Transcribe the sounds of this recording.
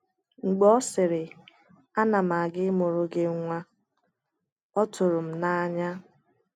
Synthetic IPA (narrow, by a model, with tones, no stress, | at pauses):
ŋ͡m̩˨ɡ͡bɔ˦sɪ˨ɾɪ˨ | a˦na˨ma˨ɡɪ˦mʊ˨ɾʊ˨ɡe˦ŋʷa˦ | ɔ˦tʊ˨ɾʊ˨m̩˨na˦a˦ɲa˦